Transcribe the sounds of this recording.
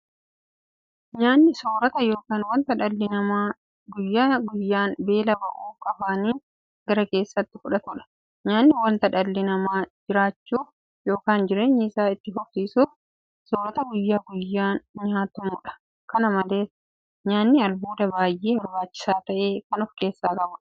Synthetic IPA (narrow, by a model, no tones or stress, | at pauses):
ɲaːnːɪsoːɾɐt̪ɐjo̞ːkaːnwɐnt̪ɐᶑɐlːɪnɐmaː | ɡʊjːaːɡʊjːaːnbe̞ːlɐbɐʔuːkʼɐbaːniːn | ɡɐɾɐke̞ːsːɐt̪ːɪkʊᶑɐt̪ʊᶑɐ̥ | ɲaːnːɪwɐnt̪ɐᶑɐlːɪnɐmaːd͡ʒɪɾaːt͡ʃːuː | jo̞ːkaːnd͡ʒɪɾeːɲːiːsaːɪt̪ːɪɦɔsiːsuːf | soːɾɐt̪ɐɡʊjːaːɡʊjːaːnɲaːt̪ʊmuːᶑɐ̥ | kɐnɐmɐle̞ːs | ɲaːnːɪɐlbuːd̪ɐbaːjʔeːhɔɾbaːt͡ʃːɪ̥saːt̪ɐʔe̞ːkɐnɔfke̞ːsːaːkʼɐbʊ